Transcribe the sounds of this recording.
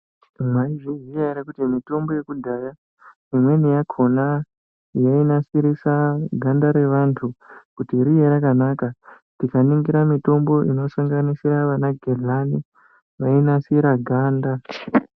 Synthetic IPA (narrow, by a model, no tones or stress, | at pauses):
mwaiʐiʐijaiɾakutimito̞mbo̞je̞kudʱaja | imwe̞nijakʰo̞na | jainasiɾisaɡʱandaɾe̞ʋantʰukutiɾijeɾakanaka | tikaniŋɡiɾamito̞mbo̞ʔino̞saŋɡanisiɾaʋanaɡʱelani | ʋainasiɾaɡʱaːnda